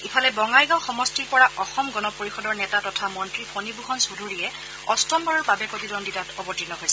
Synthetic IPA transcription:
ipʰalɛbɔŋajɡãwxɔmɔstiɹpɔɹaʔɔxɔmɡɔnɔpoɹixɔdɔɹnɛtatɔtʰamɔntɹipʰonibuxɔnsudʱuɹijɛ | ɔstɔmbaɹɔɹbabɛpotidɔnditatɔbɔtinɔɦojsɛ

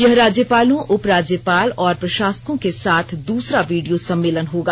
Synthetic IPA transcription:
jɐɦɾaːd͡ʒjəpaːlõʔʊpɾaːd͡ʒjəpaːlɔːɾpɾɐʃaːsə̥kõkesaːt̪ʰd̪uːsɾaʋiːɖijosɐ̃mːeːlənɦoːɡaː

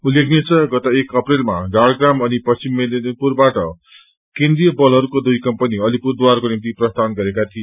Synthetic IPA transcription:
ulekʰnet͡sʰʌɡʌt̪aekʌprelma̰ɖaɽɡramʌnipʌst͡simːennpurbaʈʌ | kẽnd̪rijʌbʌlɦʌɾukod̪ujkʌmpʌniʌlipurd̪warkonimt̪iprʌst̪ʰanɡʌɾekat̪ʰie

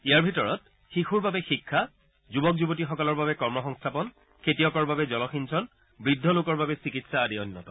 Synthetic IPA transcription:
ijaɹbʱitɔɹɔt̚ | xixuɹbabɛxikʰːa | zubɔkzubotixɔkɔlɔɹbabɛkɔɹmɔxɔŋstʰapɔn | kʰetijɔkɔɹbabɛzɔlɔxinsʰɔn | bɹidʱːɔlʊkɔɹbabɛsikitsaːdiɔnːɔtɔ̥

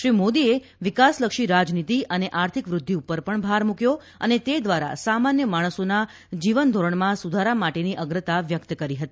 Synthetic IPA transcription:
ʃɾimod̪ie | ʋikasləkʃiɾad͡ʒnit̪iʔəneʔaɾt̪ʰikʋɾʊd̪ʱːiupəɾpəɳbʱaɾmukjo | ənet̪ed̪ʋaɾa̰samanjəmaɽ̃əsona | d͡ʒiʋənd̪ʱoɾəɳmãsud̪ʱaɾamaʈeniʔəɡɾət̪aʋjək̚t̪kəɾiɦət̪i

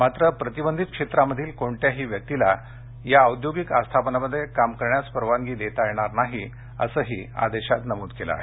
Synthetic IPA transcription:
mat̪ɾəpɾət̪ibənd̪ʱit̪̚kʂet̪ɾaməd̪ʱiːlkoɳʈ̪jaɦiːʋjək̚t̪ila | jaəwd̪joɡikast̪ʰapənaməd̪ʱːjekamkəɾɳjaspəɾʋaŋɡiːd̪et̪ajeɽ̃aɾnaɦi | ə̰səɦḭːa̰d̪eɕat̪nəmud̪kela̰e

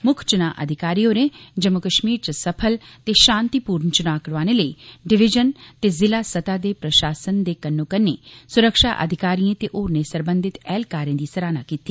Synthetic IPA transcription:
mʊkʰt͡ʃʊnaːʔɐ̰d̪ʱɪkaːɾijoɾẽd͡ʒɐmːʊkəʃmiːɾt͡ʃəsɐpʰəlt̪eʃãːnt̪ipuːɾnt͡ʃʊnaːkɽʋaːneləiːɖɪʋɪd͡ʒənt̪eːzɪlaːsət̪aːd̪eːpɾɐʃaːsənd̪eːkɐnːokənḛsʊɾəkʃa̰ːʔə̰d̪ʱɪkaːɾiẽt̪eʔoːɾnẽsəɾbə̃nd̪ʱɪt̪ɛːlkaːɾẽːd̪isɐɾaːna̰ːkiːt̪ːi

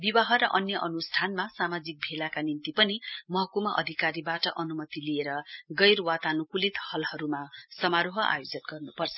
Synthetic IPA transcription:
bibaɦʌɾʌʔʌnjʌʔʌnusʈʰanmasamad͡zik̚bʱelakanint̪ipʌnimʌɦʌkumʌʔʌ̰d̪ʱikaɾibaʈʌʔʌnumʌt̪ilieɾʌɡʌjrwat̪anukulit̪hʌlhʌɾumasʌmaɾoɦʌʔa̰jod͡zʌnɡʌrnupʌrt͡sʰʌ̥

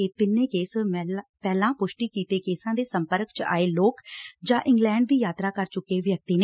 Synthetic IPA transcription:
et̪ɪnːẽːkeːspɛːlãːpʊʃʈiːkiːt̪eːkeːsãːd̪eːsəmpəɾkt͡ʃa̰ːeːloːkd͡ʒãːʔɪŋɡlɛːɳɖd̪iːjaːt̪ɾaːkəɾt͡ʃʊkːeːʋjək̚t̪iːneː

